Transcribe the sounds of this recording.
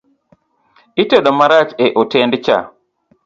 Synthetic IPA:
ʔiteɗomaɾat͡ʃeʔotendit͡ʃa̰

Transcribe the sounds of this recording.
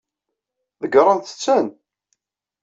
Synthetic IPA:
ðəɡɾˤənθə̥t͡sːən

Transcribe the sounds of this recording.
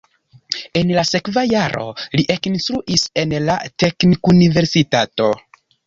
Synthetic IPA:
e̞nlase̞kvajaɾʔo̞̰liʔe̞kinstɾuʔise̞nlate̞knikunive̞ɾsitato̞

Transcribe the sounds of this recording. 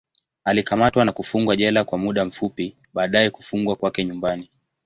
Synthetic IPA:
alikamatwanakufuŋɡwaʄɛlakwamuɗam̩fupi | ɓaːɗajɛkufuŋɡwakwakɛɲumbani

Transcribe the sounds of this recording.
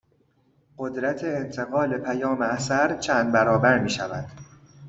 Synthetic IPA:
ɢod̪ɾæt̪ʰe̞ːnt̪ʰe̞ɣɒːle̞pʰæjɒːmeæsæɾt͡ʃʰæːnd̪bæɾɒːbæɾmiːʃævæd̪̥

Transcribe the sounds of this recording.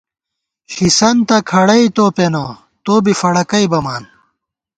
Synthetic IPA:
ɕisɐnt̪ɐkʰɐɽɐit̪oːpenɐ | t̪oːbifɐɽɐkɐibɐmaːn

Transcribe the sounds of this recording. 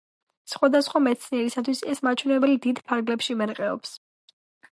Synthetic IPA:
sχwad̪asχwamɛt̪sʰniɛɾisat̪ʰwisɛsmat͡ʃʰwɛnɛbɛlid̪id̪pʰaɾɡlɛpʃimɛɾqʼɛɔ̰ps

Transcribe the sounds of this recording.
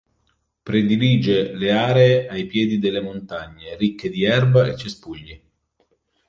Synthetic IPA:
pɾed̪iliːd͡ʒeleaːɾeːʔajpjɛːd̪id̪elːemont̪aɲːeɾikːed̪iɛrbaet͡ʃːespuʎːi

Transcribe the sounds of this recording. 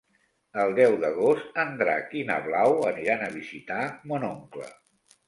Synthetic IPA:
əlˠd̪ɛwðəɣ̞ost̪ənd̪ɾa̰kinə̰βlawəniɾanəβ̞izit̪amonoŋklə̰

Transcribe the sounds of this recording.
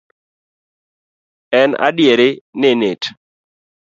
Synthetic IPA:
ɛna̰djeɾenenet

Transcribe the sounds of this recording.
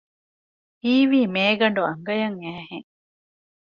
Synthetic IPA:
iːʋiːmeːɡɐɳɖuɐŋɡɐjɐŋæːheŋ

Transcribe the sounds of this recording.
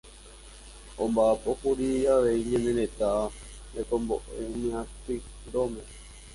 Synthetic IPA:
õmbaːpokuɾijaʋeiɲẽnẽnet̪a | ekombo̰ʔenĩãspi | nd̪ome

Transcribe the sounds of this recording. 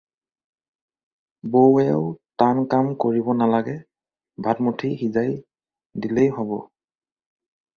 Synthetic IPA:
bowɛʊtankamkoɹibɔnalaɡɛ | bʱatmutʰixizaj | dilejɦɔbɔ̰

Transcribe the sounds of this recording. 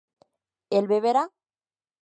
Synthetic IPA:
elβeβeɾa

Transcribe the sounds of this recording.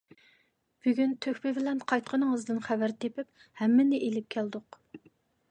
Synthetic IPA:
b̥yɡʲynt̪ʰøkʲpɪbɪlɛnqʰɑjt̪̚qʰənɨŋəzd̪ɨnχævæɾt̪ʰepɪp | hɛmːɪnɪʔelɪp̚kʲʰæld̪ʊq

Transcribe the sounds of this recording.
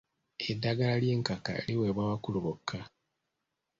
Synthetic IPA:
edːaɡalalje̞ːŋkaka̰ḛliweβwawakuluβokʰːa

